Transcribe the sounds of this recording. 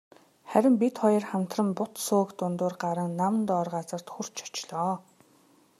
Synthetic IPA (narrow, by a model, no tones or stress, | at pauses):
χæɾʲɪ̆mpit̪χɔjɞ̆rχam̥t̪rə̆mpʊt̪soːkt̪ʊnt̪ʊːrɢaɾə̆ŋnamnt̪ɔːrʁat͡sə̆r̥t̪xur̥t͡ɕʰḁt͡ɕɮɔː